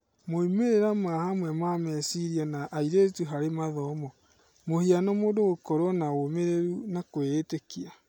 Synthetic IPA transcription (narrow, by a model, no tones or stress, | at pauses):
moimeɾeɾamahamwɛmamɛsiɾianaʔaiɾetuɦaɾemaðɔmɔ | mohianɔmoːdoɣokɔɾwɔnaomeɾeɾunakweːtekia